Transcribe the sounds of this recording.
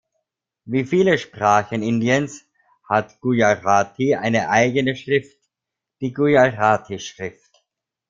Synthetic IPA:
viːfiːləʃpʁ̥aːxənɪndiəns | hatɡ̥ujaʁaːtʰiʔaɪnəʔaɪɡənəʃʁɪft | d̥iːɡujaʁaːtʰiʃʁ̥ɪft

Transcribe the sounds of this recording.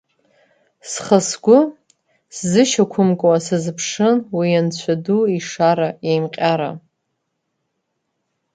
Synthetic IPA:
sχəsɡʷʊ | szɨʃakʷʰʊmkʼwasazɨpʰʂɨnwijant͡ɕʷʰaduiʂaɾajejmqʲʼaɾa̰

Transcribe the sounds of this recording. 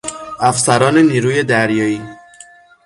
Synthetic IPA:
afsaɾɒːneniɾujed̪æɾjɒi

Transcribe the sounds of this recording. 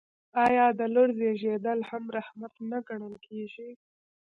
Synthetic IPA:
ɑjɑd̪əloɽzeʒed̪əlhamɾahmat̪naɡaɳəlkʰeʒi

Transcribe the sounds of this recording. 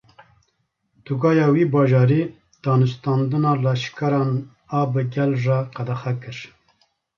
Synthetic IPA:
d̪̥uɡɑːjɑːwiːbɑːʒɑːɾi | d̪̥ɑːnust̪ɑːnd̪ɨnɑlɑːʃkɐɾɑːn | ɑːbɨɡɛlʐɑqɐd̪axakɨʃ

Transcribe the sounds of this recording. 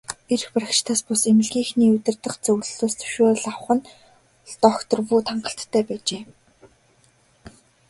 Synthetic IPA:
erxpaɾʲakt͡ɕt̪ʰaːspʊsemɘ̆ɮɡʲiːŋxniːɵt̪ʲɪ̆rt̪ə̆χt͡sɵɣɮɮoːst̪ʰɵ̥wʃoːɮaw̆χə̆n | ɮt̪ɔːxt̪ɞ̆rpuːt̪ʰaɴɢə̆ɬt̪ʰːæːpæːt͡ɕeː

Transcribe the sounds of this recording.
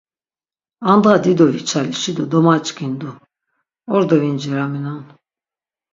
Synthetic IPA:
and̪ʁad̪id̪ɔvit͡ʃʰaliʃid̪ɔd̪ɔmat͡ʃʼkind̪u | ɔɾd̪ɔvind͡ʒɛɾaminɔn

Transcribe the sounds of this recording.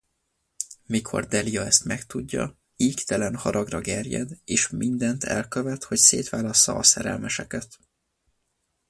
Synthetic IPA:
mikʰo̞̰rd̪ɛliɒɛst̪mɛkt̪uɟːɒ̰ | iːkt̪ɛlɛnhɒɾɒɡrɒɡɛrjɛ̰d̪eːʃmind̪ɛnt̪ʰɛlkøvɛt̪ho̞cseːt̪ʋaːlɒsːɒ̰ɒsɛɾɛ̰lmɛʃɛkɛt̪

